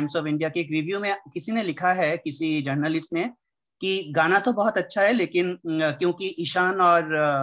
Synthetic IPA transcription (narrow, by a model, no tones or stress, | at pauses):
ɪmsɔːfɪ̃ɳɖijakeːkɾɪʋjumẽkɪsinelɪkʰaɦɛkɪsid͡ʒɐɾnəlɪsʈmẽ | kiɡaːnat̪obɔɦɔt̪ɐtːʃʰaɦɛleːkɪnkjõːkiʔɪʃaːnɔːɾ